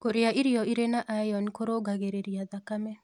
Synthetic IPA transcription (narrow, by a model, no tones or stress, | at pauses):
koɾeaʔiɾijɔiɾenaʔajɔnkoɾoɡaɣeɾeɾiaðakamɛ